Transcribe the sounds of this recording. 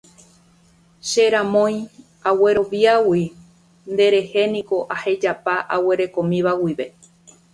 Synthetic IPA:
ʃe̞ɾãmõ̞j̃ | awe̞ɾo̞ʋiawi | nd̪e̞ɾe̞he̞nĩko̞ʔahe̞d͡ʒapaʔawe̞ɾe̞kõ̞mĩʋawiʋe̞

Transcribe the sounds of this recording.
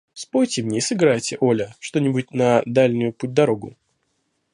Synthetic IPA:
spojʲtʲɪmnʲeisɨɡɾajtʲɪʔolʲəʂt̪o̞nʲɪbʊt̚ʲnɐd̪alʲnʲʊjʊput̚ʲd̪ɐɾo̞ɡʊ

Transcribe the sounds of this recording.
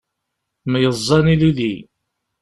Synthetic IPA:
mjəzˤːɑnilili

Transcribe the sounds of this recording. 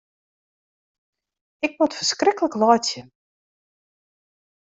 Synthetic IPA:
ɪk̚mɔtfərskrɪkələklɔːt͡sjə

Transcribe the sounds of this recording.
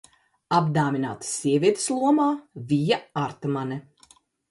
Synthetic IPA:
ab̚d̪aːmʲina̰ːt̪sʲːiɛvʲiɛt̪e̥slˠuɔmaːvʲijaaɾt̪manɛ

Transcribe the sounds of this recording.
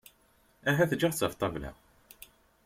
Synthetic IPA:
æɦæθd͡ʒiʁt͡sːɑft̪ˤɑvlæ̰

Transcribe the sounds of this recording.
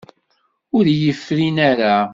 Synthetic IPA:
ʊɾjəfːɾinaɾa

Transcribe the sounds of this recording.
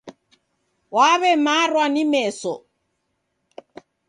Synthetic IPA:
waβɛmarwanimɛːsɔ̰

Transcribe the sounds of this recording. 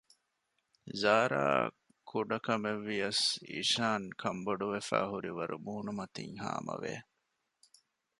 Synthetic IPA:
zaːɾa̰ː | kʰuɖɐkɐmeʋːijɐsḭʃaːŋkʰɐmboɖuʋefæːhuɾiʋɐɾumuːnumɐt̪ḭŋha̰ːmɐ̰ʋḛː

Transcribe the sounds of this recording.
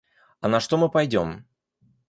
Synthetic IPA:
ɐnɐʂt̪omɨpɐjdʲo̞̰m

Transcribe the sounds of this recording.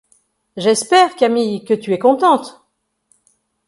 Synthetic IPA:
ʒɛspɛʁkamijkət̪yɛkɔ̃t̪ɑ̃t̪

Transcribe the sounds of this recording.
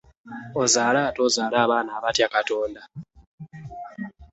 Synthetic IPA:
ozaːlaːtozaːlaːβaːnaːβatjakato̞ːnda

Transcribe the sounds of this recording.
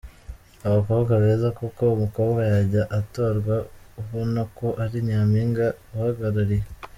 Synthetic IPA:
aβakoːβɡaβe̞ːzakuko̞umuko̞ːβɡajaɟaʔato̞ːɾɡwa | uɦonokoʔaɾiɲaːmiːŋɡauhaɡaɾaɾije

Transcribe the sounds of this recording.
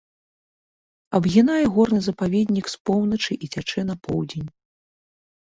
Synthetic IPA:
ɐbɣʲinajɛɣɔrnɨzɐpavʲɛd̪ʲnʲikspɔwnɐt͡ʂɨʔit͡sʲat͡ʂɛnɐpɔwd͡zʲenʲ

